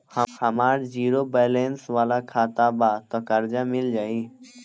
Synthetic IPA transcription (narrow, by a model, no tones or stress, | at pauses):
həhəmaːɾd͡ʒiːɾoːbeːlẽːnsʋaːlaːkʰaːt̪aːbaːt̪oːkəɾd͡ʒaːmɪld͡ʒaːiː